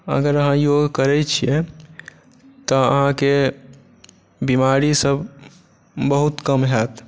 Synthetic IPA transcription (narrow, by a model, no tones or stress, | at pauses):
ə̰ɡəɾəɦãjoɡkəɾɛt͡ʃʰijɛ̃ | t̪ɔə̰ɦãke | bimaɾisəb | bəɦut̪kəmɦɛt̪